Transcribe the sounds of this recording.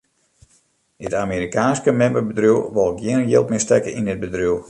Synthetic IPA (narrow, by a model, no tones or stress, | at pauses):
ɪtamiɾikaːnskəmɛmbəbədruwʋɔlˠɪkjɪənənjɪːlˠtmɪstɛkəindɪd̚bədruw